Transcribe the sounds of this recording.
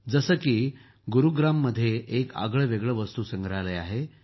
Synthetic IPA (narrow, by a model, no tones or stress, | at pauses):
d͡zəsəkiː | ɡuɾuɡɾamːəd̪ʱːjeʔeka̰ɡɭəʋeɡɭəʋəst̪uːsəŋɡɾaleaɦe